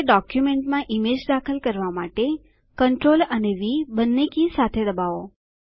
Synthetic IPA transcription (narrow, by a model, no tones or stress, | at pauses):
ɖɔkjumeɳʈmãʔimed͡ʒd̪akʰəlkəɾʋamaʈe | kəɳʈɾoləneʋibənːekisat̪ʰed̪əbao